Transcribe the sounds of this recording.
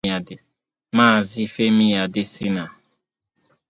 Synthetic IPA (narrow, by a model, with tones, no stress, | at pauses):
a˨dɪ˨ | maː˦˨zɪ˦˨fe˦mi˦ja˨dɪ˦sɪ˦na˨